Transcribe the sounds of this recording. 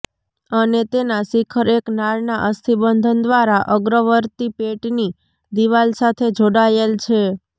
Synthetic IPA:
ənet̪enasikʰəɾeknaɭnaʔəst̪ʰibənd̪ʱənd̪ʋaɾaʔəɡɾəʋəɾt̪ipeʈni | d̪iʋalsat̪ʰed͡ʒoɽajelt͡ʃʰe

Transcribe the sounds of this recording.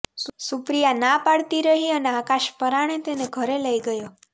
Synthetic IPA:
ssupɾijanapaɽt̪iɾəɦiəneakaʃpəɾaɽ̃et̪eneɡʱəɾeləiɡəjo

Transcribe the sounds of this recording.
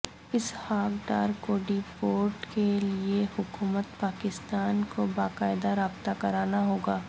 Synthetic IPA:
ɪshaːkɖa̰ːɾkoːɖipoːɾʈkeliehʊkuːmət̪paːkɪst̪aːnkobaːkaːɪd̪aɾaːbt̪akɐɾaːnaɦoːɡaː

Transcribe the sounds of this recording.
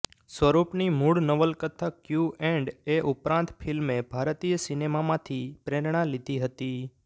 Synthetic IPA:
sʋəɾupnimuɽnəʋəlkət̪ʰːakjuɛ̃ɳɖeʔupɾãnt̪fʰilmebʱaɾt̪ijəsinemamãt̪ʰipɾeɾɳ̃ãlid̪ʱiɦət̪i

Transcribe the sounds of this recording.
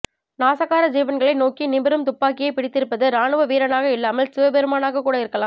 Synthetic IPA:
naːsɐɣaːɾɐd͡ʒiːʋɐnɡɐɭɐɪnoːkinɪmbɪɾɯmt̪ʊpːaːkɪjɐɪpɪɽɪt̪ːɪɾɯpːɐðɯɾaːɳɯʋɐʋiːɾɐnaːɣɐɪlːaːmɐlsɪʋɐbɛɾɯmaːnaːɣɐkːuːɽɐɪɾɯkːɐlaːm

